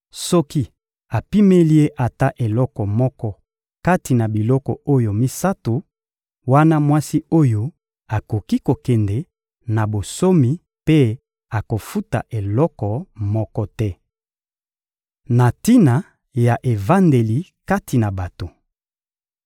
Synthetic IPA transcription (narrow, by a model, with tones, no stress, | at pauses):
sɔ˦ki˦ | a˨pi˦me˦li˦e˦ʔa˨ta˦ʔe˨lɔ˦kɔ˨mɔ˦kɔ˦ | ka˦ti˨na˨bi˨lɔ˦kɔ̰˨o˦jo˨mi˦sa˦to˨ | wa˦na˦mwa˦si˦o˦jo˦ | a˨ko˨ki˦ko˨kɛ˨ndɛ˨ | na˨bo˨so˦mi˨ | pe˦ | a˨ko˨fu˦ta̰˨ʔe˨lɔ˦kɔ˨mɔ˦kɔ˦tɛ˦ | na˨ti˦na˨ | ja˨ʔe˨va˦nde˨li˨ka˦ti˨na˨ba˨to˨